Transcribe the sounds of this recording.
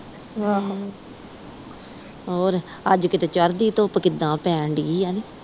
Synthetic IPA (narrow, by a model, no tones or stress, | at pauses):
aː | ɦoːɾəd͡ʒkɪt̪eːt͡ʃəɾd̪iːt̪oːpkɪd̪ãːpɛ̃ːɳɖiːaniː